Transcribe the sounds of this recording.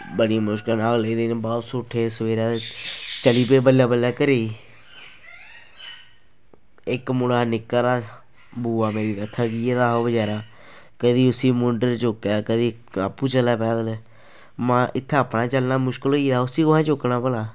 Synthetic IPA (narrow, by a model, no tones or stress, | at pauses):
bəɽiːmʊʃkəlnaːɡled̪eːnebɔːt̪sʊʈʰːeːsəʋeːɾaːt͡ʃəliːpeːbəlːaːbəlaːkəɾeː | ɪkmʊɽaːnɪkːaːɾaː | buːaːmeːɾiːd̪ət̪ʰːaɡiːed̪aːɦoːbəd͡ʒaːɾaː | kəd̪iːʊsiːmʊɳɖəɾt͡ʃoːkjaːkəd̪iː | a̰pːuːt͡ʃəlːaːpɛːd̪əl | mãːʔɪt̪ʰːeəpnaːt͡ʃəlnaːmʊʃkəloiːd̪aːʊsiːkʊãːt͡ʃoknaːpəlaː